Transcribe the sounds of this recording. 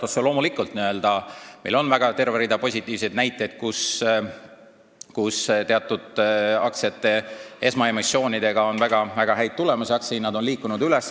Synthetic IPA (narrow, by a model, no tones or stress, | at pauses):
t̪oselo̞ːmulikːˑult̪ˑniø̞ld̪̥ɑmelo̞nvæɡ̥ɑt̪e̞rveɾid̪ɑpo̞sʲit̪ːˑiːv̥se̞jd̪næjt̪ːˑe̞jd̪̥̚kus | kust̪e̞ɑt̪ːˑud̪̥ɑ̰ksɑt̪ːe̞e̞smɑe̞mosːjo̞ːnid̪̥e̞ɡ̥ɑo̞nvæɡ̥ɑvæɡ̥ɑɦæjd̪̚t̪ːule̞musiɑksijnɑd̪o̞nliːkːˑunud̪yles